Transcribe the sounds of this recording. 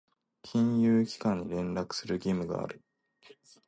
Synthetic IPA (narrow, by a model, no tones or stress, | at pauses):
kʲʰĩɰ̃jɨːkʲi̥kãɲ̟ːiɾẽ̞nɾakɯ̟̥sɨɾɯ̟ɡʲimɯ̟ɡa̰a̰ɾɯ̟